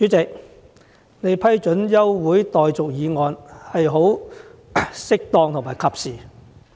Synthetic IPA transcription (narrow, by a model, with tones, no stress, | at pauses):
yː˨˥t͡sɪ˨k̚ | ne˨˧jpʰɐ˥jt͡ʃɵ˨˥njɐ˥wwuː˨˥jt̪ɔː˨jt͡sʊ˨k̚jiː˨˧ŋɔː˧nhɐ˨jɦo˨˥w | sɪ˥k̚t̪ɔː˧ŋt̪ʰʊ˨˩ŋmaː˨˩jkʰɐ˧p̚siː˨